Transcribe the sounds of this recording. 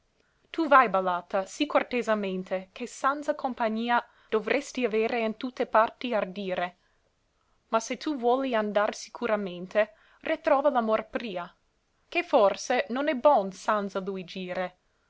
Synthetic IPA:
t̪uvajbalaːt̪asikort̪ezament̪ʰekesant̪zakʰompaɲiːa | d̥ovɾʔest̪iaveːɾeint̪ut̪ːepart̪iard̪iːɾe | maset̪ʰuvwɔːliand̪arsi̥kʰuɾament̪e | rʔit̪ɾɔːvalamorpɾiːa | keforsenonɛbɔnsant̪zalujd͡ʒiːɾe

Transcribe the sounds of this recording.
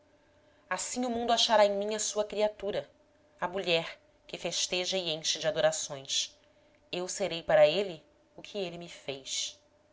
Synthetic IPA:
asĩɲʊmũnd̪ʊaʃaɾaẽj̃mĩɲɐsuɐkɾiat̪uɾɐ | ɐmuʎɛɾ | kɪfeʃt̪eʒɐɪẽj̃ʃɪd͡ʒɪad̪oɾasõj̃s | ewseɾejpaɾɐelɪ | ʊkʰɪelɪmɪfejs

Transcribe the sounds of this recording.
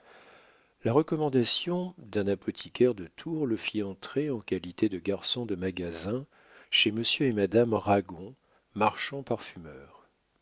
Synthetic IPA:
laʁəkɔmɑ̃d̪asjɔ̃d̪ɛ̃napɔt̪ʰikʲɛʁd̪ət̪ʰuʁləfiɑ̃t̪χeɑ̃kalit̪ed̪əɡaʁsɔ̃d̪əmaɡazɛ̃ | ʃeməsjøemad̪amʁaɡɔ̃ | maʁʃɑ̃paʁfymœːʁ

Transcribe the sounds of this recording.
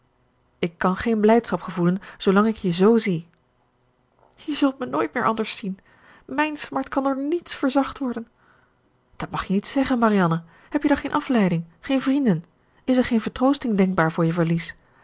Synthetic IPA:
ɪkːɑnχejnblɛjtsχɑpχəvulənz̥owlɑŋɪkjəzowzi | jəzɵlˠtmənoːjt̚mɪːɹʔɑndəɹsin | mɛjnsmɑɹtkɑndoɹnitsfəɹzɑχtʋɔɹdən | d̥ɑtmɑχjənitsɛχənmarijɑnə | ɦɛpjədɔχejnʔɑflɛjdɪŋχejnvrindən | ɪsɛɹχejnvəɹtrowstɪŋdɛŋɡ̚baːɹvʊːɹjəvəɹlis

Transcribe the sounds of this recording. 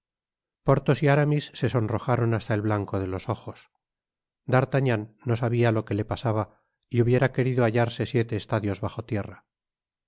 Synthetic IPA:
po̞ɾt̪o̞siaɾamisːe̞so̞nro̞xaɾo̞nast̪aelβlaŋkoð̞e̞lo̞so̞xo̞s | d̪aɾt̪aɲanːo̞saβialo̞ke̞le̞pasaβ̞a | iuβje̞ɾake̞ɾiðoaʎaɾse̞sje̞t̪e̞ːst̪aðjo̞zβaχo̞t̪je̞ra

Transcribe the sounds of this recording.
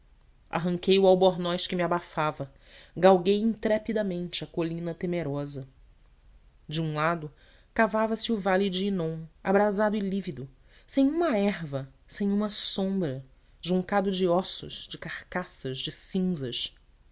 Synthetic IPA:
a̰ɦɐ̃ŋkejʊawboɾnɔjʃkɪmɪabafavɐ | ɡawɡejĩnt̪ɾɛpid̪ɐmẽnt͡ʃɪɐkolĩnɐt̪emeɾɔzɐ | d͡ʒɪũlad̪ʊ | kavavɐsɪʊvalɪd͡ʒɪːnõw̃abɾazad̪ʊɪlivid̪ʊ | sẽj̃ũmɐɛɦvɐ | sẽj̃ũmɐsõmbɾɐ | ʒũŋkad̪ʊd͡ʒɪɔsʊ̰ʃd͡ʒɪkaχkasɐʒd͡ʒɪsĩzɐʃ

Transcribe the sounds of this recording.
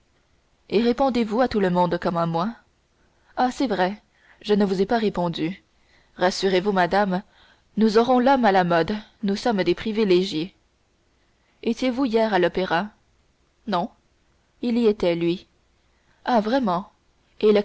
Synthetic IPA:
eʁepɔ̃d̪evuat̪uləmɔ̃d̪kɔmamwa | asɛvʁɛ | ʒənəvuzepaʁepɔ̃d̪y | ʁasyʁevumad̪am | nuzɔʁɔ̃lɔmalamɔd̪nusʌmd̪epχivileʒje | et̪jevuijɛʁalɔpeʁa | nɔ̃ | iliet̪ɛlɥi | avʁɛmɑ̃ | elə

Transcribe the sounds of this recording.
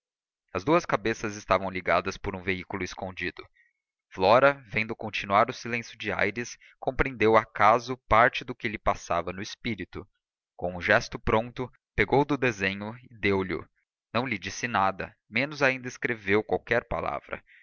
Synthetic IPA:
ɐzd̪uɐskabesɐzɪst̪avɐ̃w̃liɡad̪ɐspʊɾũveikulʊɪskõd͡ʒid̪ʊ | flɔɾɐvẽnd̪ʊkõt͡ʃinuaɾʊsilẽsjʊd͡ʒɪa̰jɾɪs | kõpɾẽnd̪ewakazʊpaɾt͡ʃɪd̪ʊkɪlɪpasavɐnʊespiɾit̪ʊ | kõ̰w̃ũʒɛst̪ʊpɾõnt̪ʊ | peɡowd̪ʊd̪ezẽɲʊɪd̪ewlʊ̰ | nɐ̃w̃lɪd͡ʒisɪnad̪ɐ̰ | mẽnʊzaĩnd̪ɐɪskɾevewkwawkɛɾpa̰la̰vɾɐ̰

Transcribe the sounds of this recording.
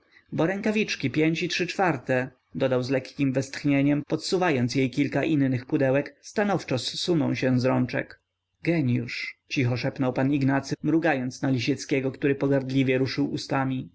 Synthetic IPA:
bɔɾɛŋkavʲit͡ʂkʲipʲjeɲt͡ɕitʂɘt͡ʂfaɾt̪ɛ | d̪ɔd̪awzlɛkːʲimvɛst̪xɲeɲɛmpɔt̪suvajɔnt̪sjejkʲilkaʔinːɘxpud̪ɛwɛkst̪anɔft͡ʂɔsːunɔ̰̃w̃ɕɛ̃zɾɔnt͡ʂɛ̰k | ɡɛɲjuʂt͡ɕixɔʂɛpnɔwpaniɡnat̪sɘmɾuɡajɔnt̪snalʲiɕɛt̪skʲɛɡɔkt̪uɾɘpɔɡaɾd̪lʲivʲjɛɾuʂɘwust̪amʲi

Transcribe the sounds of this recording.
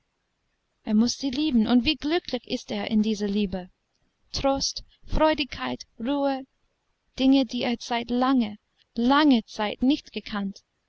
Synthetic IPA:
ʔeːɐmʊsz̥iːliːbn̩ʊntv̥iːɡlʏkʰlɪçɪsteːɐʔɪ̰ndiːzɐliːbə | tʁ̥oːst | fʁɔʏdɪçkʰːaɪtʁuːə | d̥ɪŋədiːeːɐt͡saɪtlaŋə | laŋət͡saɪtnɪçtɡ̥əkʰant

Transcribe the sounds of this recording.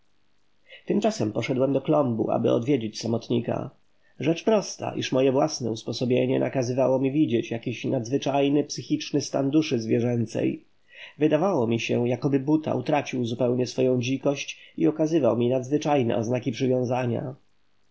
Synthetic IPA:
t̪ɘmt͡ʂasɛmpɔʂɛd̪wɛmd̪ɔklɔmbṵʔa̰bɘ̰ɔ̰d̪vʲjed͡ʑit͡ɕsamɔt̪ɲika̰ | ʐɛt͡ʂpɾɔst̪a̰ʔḭʂmɔjɛvwasnɛuspɔsɔbʲjeɲɛ̰nʔa̰kazɘvawɔmʲivʲid͡ʑet͡ɕjakʲiɕnad̪zvɘt͡ʂajnɘpsɘxʲit͡ʂnɘst̪a̰nd̪uʂɘzvʲjɛʐɛnt̪sɛ̰j | vɘd̪avawɔmʲiɕɛjakɔbɘbut̪ʰa̰ut̪ɾat͡ɕiwzupɛwɲɛsfɔjɔ̃w̃d͡ʑikɔɕt͡ɕiɔkazɘvawmʲinad̪zvɘt͡ʂajnɛ̰ɔ̰znakʲipʂɘvʲjɔ̃w̃zaɲa̰

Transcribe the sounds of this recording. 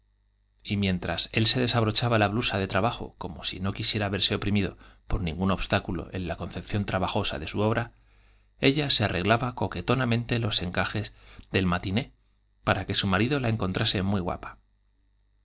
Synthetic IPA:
imjẽ̞nt̪ɾase̞lse̞ðe̞saβɾo̞t͡ʃaβalaβlusaðe̞t̪ɾaβaxo̞̰ko̞mo̞sḭnokisje̞ɾaːβe̞ɾse̞opɾimiðo̞̰po̞ɾnĩŋɡuno̞βst̪akulo̞̰ʔe̞̰nlako̞nθe̞p̚θjo̞nt̪ɾaβaxo̞sa̰ðe̞suo̞β̞ɾa | e̞ʎasearʔe̞ɣlaβako̞ke̞t̪o̞namẽ̞nt̪e̞lo̞se̞ŋkaxe̞zðe̞lmat̪ine̞ | paɾake̞sumaɾiðo̞lae̞ŋko̞nt̪ɾʔase̞mwiɣwa̰pḁ

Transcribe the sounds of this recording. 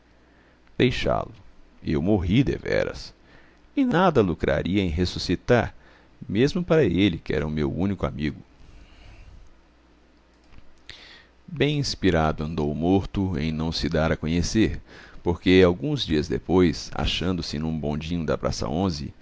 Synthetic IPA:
d̪̥ejʃa̰lʊewmoɦid̪ḛvɛ̰ɾɐ̰s | ɪnad̪ɐlukɾa̰ɾiɐẽj̃ɦesusit̪aɾ | mezmʊpaɾɐelɪkɪɛ̰ɾɐʊmewũnikʊa̰miɡʊ | bẽj̃ĩspiɾad̪ʊɐ̃nd̪owmoɾt̪ʊḛ̃j̃nɐ̃w̃sɪd̪aɾɐkõɲeseɾpoɾkeawɡũzd͡ʒiɐzd̪ḛpojsa̰ʃɐ̃nd̪ʊsɪnũbõd͡ʒĩɲʊd̪ɐpɾa̰sɐ̰õzɪ

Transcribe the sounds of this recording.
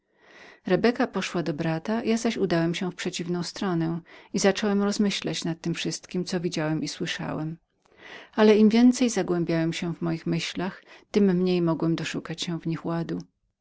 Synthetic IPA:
ɾɛbɛkapɔʂwad̪ɔbɾat̪ajazaɕud̪awɛmɕɛ̃fpʂɛt͡ɕivnɔ̃w̃st̪ɾɔnɛizat͡ʂɔwɛmɾɔzmɘɕlat͡ɕnat̪ːɘmfʂɘst̪kʲimt̪ɔvʲid͡ʑawɛmʔiswɘʂa̰wɛm | alɛimvʲjɛnt̪sɛjzaɡwɛmbʲjawɛmɕɛvmɔjixmɘɕlaxt̪ɘmːɲejmɔɡwɛmd̪ɔʂukat͡ɕɕɛ̃vɲixwad̪u

